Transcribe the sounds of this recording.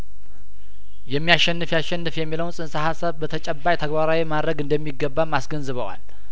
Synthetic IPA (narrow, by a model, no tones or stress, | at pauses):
jɛmːijaʃːɛnːɨfjasʃɛnːɨfjɛmːiləwunsʼɨnsəhasəβbət̪ʰət͡ʃʼɛbːajt̪ʰəɡbaɾawimad̪ɾəɡɨnd̪əmːiɡːəbːamːasɡənzɨβəwa̰l